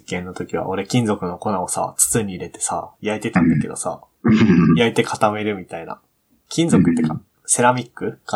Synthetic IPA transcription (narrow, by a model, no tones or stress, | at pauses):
kẽ̞nːo̞t̪o̞kʲiβ̞a̰ʔo̞ɾe̞kʲĩnd͡zo̞kɯ̟no̞ko̞naosa̰t͡sɨ̥t͡sɨɲ̟iːɾe̞t̪e̞̥sa̰jait̪e̞t̪ãnd̪ake̞d̪o̞sa̰ | jait̪e̞kʰḁt̪ame̞ɾɯ̟mʲit̪aina̰ | kʲĩnd͡zokɯ̟t̪ːeka | se̞ɾamʲikːɯ̟ka